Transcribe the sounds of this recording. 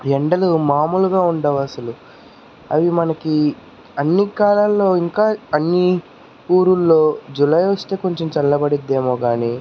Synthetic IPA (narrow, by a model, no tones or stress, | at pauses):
jɛɳɖɐlumaːmuluɡaːuɳɖɐʋɐsɐlu | ɐ̰ʋimɐnɐki | ɐnːikaːlaːlːo̞ːiŋkaːɐnːi | puːɾulːo̞ːd͡ʒulɐjʋost̪e̞ːko̞ɲt͡ʃemt͡ʃɐlːɐbɐɽid̪ːeːmo̞ːɡaːniː